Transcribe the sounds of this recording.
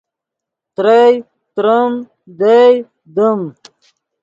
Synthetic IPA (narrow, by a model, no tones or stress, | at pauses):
t̪ɾej | t̪ɾɐm | d̪ej | d̪əm